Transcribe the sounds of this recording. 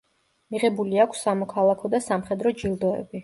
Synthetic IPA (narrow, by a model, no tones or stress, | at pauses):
miʁɛbuliakʷʰsːamɔkʰalˠakʰɔd̪asamχɛd̪ɾɔd͡ʒilˠd̪ɔɛ̰bi